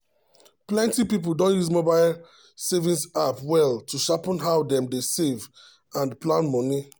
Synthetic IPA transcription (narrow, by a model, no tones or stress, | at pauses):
plɛ̃ntipip̬ol̩dɔ̃njusmobaɪl | sevĩnsapwɛlˠtʰuʃapɔ̃nɦawdɛ̃mdesev | ãnplãnmɔni